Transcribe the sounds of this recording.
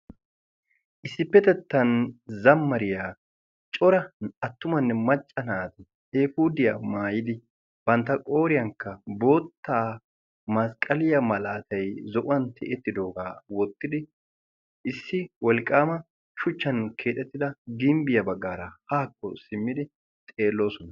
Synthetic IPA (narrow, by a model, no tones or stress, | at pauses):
ʔɪsːɪpːɛt̪ɛt̪ːɐnzɐmːɐɾɪjaː | t͡ʃʼɔɾɐɐt̪ːʊmɐnːɛmɐt͡ʃʼːɐnaːt̪ɪ | eːfuːd̪ɪjaːmaːjɪd̪ɪ | b̥ɐnt̪ːɐkʼo̞ːɾɪjɐŋkːɐbo̞ːt̪ːaː | mɐskʼɐlɪjɐmɐlaːt̪ɐjzɔʔʊwɐnt̪ʰɛʔɛt̪ːɪd̪o̞ːɡaːwɔt̪ːɪd̪ɪ | ʔɪsːɪwɔlkʼːaːmɐ | ʃʊt͡ʃːɐnkʰeːt̪ʼːɛt̪ːɪd̪ɐɡɪmbɪjɐbɐɡːaːɾɐhaːkːɔsɪmːɪd̪ɪ | t̪ʼe̞ːlːo̞ːsɔnɐ